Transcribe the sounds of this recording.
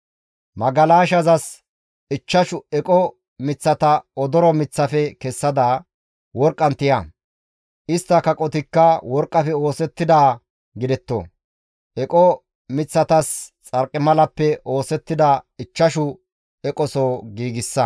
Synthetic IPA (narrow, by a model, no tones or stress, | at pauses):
mɐɡɐlaːʃɐzɐs | ɪt͡ʃːɐʃʊɛkʼɔ | mɪt͡sːɐt̪ɐɔd̪ɔɾɔmɪt͡sːɐfɛkɛsːɐd̪ɐ | wɔɾkʼːɐnt̪ɪjɐ | ʔɪst̪ːɐkɐkʼɔt̪ɪkːɐwɔɾkʼːɐfɛo̞ːsɛt̪ːɪd̪aː | ɡɪd̪ɛt̪ːo̰ | ʔɛkʼɔ | mɪt͡sːɐt̪ɐst͡sʼɐɾkʼːɪmɐlɐpːɛʔo̞ːsɛt̪ːɪd̪ɐɪt͡ʃːɐʃʊ | ɛkʼɔsoːɡiːɡɪsːɐ